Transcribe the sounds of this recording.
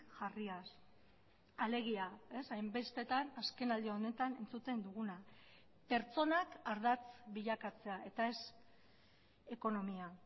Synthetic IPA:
ʝarias | ale̞ɣ̞iae̞sajmbe̞st̪e̞t̪anaske̞nald̪ione̞t̪ane̞nt͡sut̪e̞nd̪uɣ̞una | pe̞ɾt͡so̞nakaɾðat͡sβiʎakat͡se̞ae̞t̪ae̞s | e̞ko̞no̞mia

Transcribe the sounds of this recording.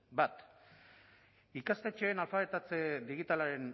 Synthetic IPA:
bat̪ | ikast̪e̞t͡ʃeːnalfaβe̞t̪at͡sed̪iɣ̞it̪alaɾe̞n

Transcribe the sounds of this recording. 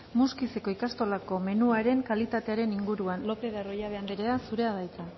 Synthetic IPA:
muskise̞ko̞ikast̪o̞lako̞me̞nuaɾe̞ŋkalit̪at̪e̞aɾe̞niŋɡuɾuanlo̞pe̞ðaro̞jaβe̞and̪eɾeasuɾe̞aðajt͡s̪a

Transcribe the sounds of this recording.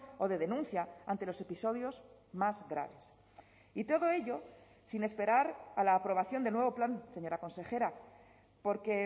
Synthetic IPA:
o̞ðe̞ð̞e̞nũnθjaant̪e̞lo̞se̞piso̞ðjo̞zmazɡɾa̰β̞e̞s | it̪o̞ðo̞e̞ʎo̞ | sine̞spe̞ɾaɾalaːpɾo̞β̞aθjo̞nd̪elnweβo̞planse̞ɲo̞ɾako̞nse̞xe̞ɾa | po̞ɾke̞

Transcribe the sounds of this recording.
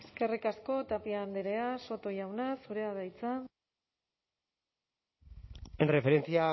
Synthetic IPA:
eskerikasko̞t̪apiand̪eɾe̞aso̞t̪o̞ʝawnasuɾe̞aðajt͡sa | enrefeɾent͡sia

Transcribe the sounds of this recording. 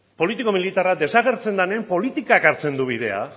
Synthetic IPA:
po̞lit̪iko̞milit̪arad̪e̞saɣ̞e̞ɾt͡se̞nd̪anempo̞lit̪ikakaɾt͡se̞nd̪uβ̞ið̞e̞a̰

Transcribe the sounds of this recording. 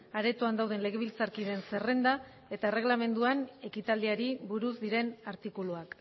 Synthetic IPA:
aɾe̞t̪uand̪awð̞e̞nle̞ɣ̞e̞βilt͡saɾkiðe̞nse̞re̞nd̪a | e̞t̪aere̞ɣlame̞nd̪uane̞kit̪ald̪iaɾiβuɾuzd̪iɾe̞naɾt̪ikuluak

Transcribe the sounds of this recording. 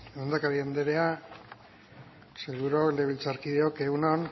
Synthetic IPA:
eond̪akaɾiand̪eɾe̞a | seɣuɾokleβilt͡saɾkiðeoke̞ɣunon

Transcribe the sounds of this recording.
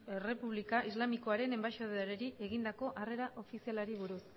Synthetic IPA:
ere̞puβlikaʔizlamiko̞aɾe̞ne̞mbaʃoðeɾeɾiʔe̞ɣind̪ako̞ʔare̞ɾaʔo̞fisialaɾiβuɾus

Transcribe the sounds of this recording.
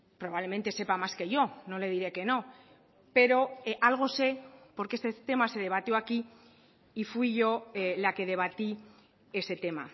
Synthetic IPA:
pɾo̞βaβle̞ment̪e̞se̞pamaske̞ʝo̞no̞le̞ð̞iɾe̞ke̞no̞ | pe̞ɾo̞ʔalɣ̞o̞se̞po̞ɾkee̞st̪et̪e̞mase̞ð̞e̞β̞at̪joaki | ifwiʝo̞lake̞ð̞e̞β̞at̪i | e̞se̞t̪e̞ma̰

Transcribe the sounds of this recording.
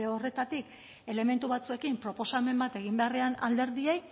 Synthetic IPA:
eo̞re̞t̪at̪ik | e̞le̞me̞nt̪uβat͡sue̞kimpɾo̞po̞same̞mbat̪e̞ɣ̞imbe̞areana̰ld̪e̞ɾðiej

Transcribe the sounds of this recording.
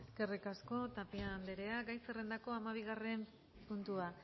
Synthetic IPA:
eskerikasko̞t̪apiand̪eɾe̞aɡajsere̞nd̪ako̞amaβ̞iɣare̞m | punt̪ua

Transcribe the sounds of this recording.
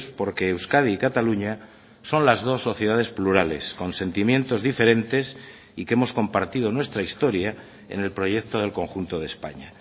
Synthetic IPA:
spo̞ɾke̞ːwskað̞iːkat̪aluɲa | so̞nlazðo̞sːo̞θjeð̞að̞e̞spluɾale̞̰sko̞nse̞nt̪imjẽ̞nt̪o̞zðife̞ɾẽ̞nt̪e̞s | ikeemo̞sko̞mpaɾt̪ið̞o̞nwe̞st̪ɾaist̪o̞ɾja | ḛne̞lpɾo̞ʝe̞k̚t̪o̞ð̞e̞lko̞ŋxunt̪o̞ðespa̰ɲa

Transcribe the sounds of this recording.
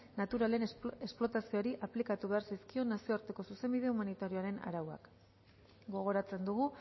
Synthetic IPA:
nat̪uɾale̞nesplo̞t̪asio̞ɾiʔaplikat̪uβe̞aɾsaijskio̞nasio̞aɾt̪e̞ko̞suse̞mbið̞e̞umanit̪aɾioaɾe̞na̰ɾawa̰k | ɡo̞ɣ̞o̞ɾat͡se̞nd̪uɣu

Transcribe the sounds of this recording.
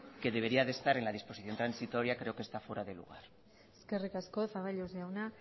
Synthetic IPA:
ke̞ðe̞β̞e̞ɾiaðe̞st̪aɾe̞nlað̞ispo̞siθjot̪ɾansit̪o̞ɾjakɾe̞oke̞st̪afweɾaðe̞lṵɣ̞aɾ | eskerikaskoθaβaʎozeawna

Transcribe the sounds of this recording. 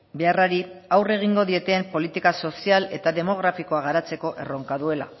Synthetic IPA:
be̞araɾiawre̞ɣ̞iŋɡo̞ðie̞t̪eːmpo̞lit̪ikaso̞siale̞t̪aðe̞mo̞ɣ̞ɾafiko̞aɣ̞aɾat͡se̞ko̞ʔe̞̰ro̞ŋkaðue̞la̰

